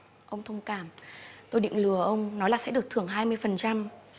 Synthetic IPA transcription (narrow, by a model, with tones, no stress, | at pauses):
ʔə˧wŋ͡mt̪ʰə˧wŋ͡mkaː˧˩mt̪o˧jɗḭ˧˨ŋlɨ˧˩əʔə˧wŋ͡mnɔ˨˦laː˨˩sɛ̰˧˥ɨ˨˩ək̚t̪ʰɨ˧˩əŋɦaː˧jmɨ˧əjfə˨˩nt͡ɕa˧m